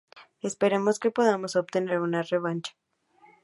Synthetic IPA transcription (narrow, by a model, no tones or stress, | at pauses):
e̞spe̞ɾemo̞ske̞po̞ðamo̞sop̚t̪e̞ne̞ɾunare̞β̞ant͡ʃḁ